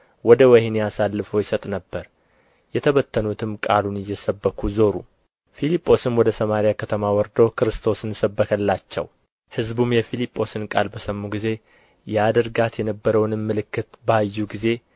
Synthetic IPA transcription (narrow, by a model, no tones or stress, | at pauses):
wɔd̪əwɛhneasalːɨfojɪsət̪ʼnəbːəɾ | jɛt̪ʰəβət̪ʰːənut̪ʰɨmkʼa̰lunɪjːɛsəbːəkʰuzo̞ɾu | filipʼːo̞sɨnwɔd̪əsəmaɾijakʰət̪ʰəmawɔɾd̪owkʰɨɾɨst̪ʰo̞sɨnsəbːəkʰəlːat͡ʃːɛ̰w | hɨzbumjɛfilipʼːo̞sɨnkʼa̰lbəsəmːuɡize̞ | jɛad̪əɾɡat̪jɛnəbːəɾəwnɨmːɨlɨkːɨt̪bəajːuɡize̞